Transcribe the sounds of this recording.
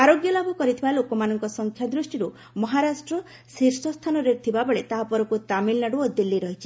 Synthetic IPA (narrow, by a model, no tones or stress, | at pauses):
aɾoɡjɔlabʱɔkɔɾit̪ʰibalokɔmanɔŋkɔsɔŋkʰjad̪ɾusʈiɾu | mɔɦaɾasʈɾɔ | siɾsɔst̪ʰanɔɾet̪ʰibabɔɭet̪aɦapɔɾɔkut̪amilnaɽuɔd̪ilːiɾɔɦit͡ʃʰi̥